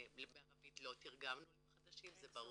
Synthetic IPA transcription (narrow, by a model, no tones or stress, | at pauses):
beaʁavit̪lo̞t̪iʁɡamnuleχadaʃimzebaʁu